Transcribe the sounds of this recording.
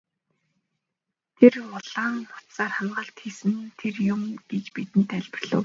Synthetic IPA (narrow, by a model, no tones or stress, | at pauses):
t̪ʰerʊɮaːnːʊ̥t̪saːrχaɴɢə̆ɬt̪xiːsɘ̆nt̪ʰerjʊmɡ̥et͡ɕpit̪ɘ̆nt̪æɮʲpə̆rɮ̥ʊ̰ːw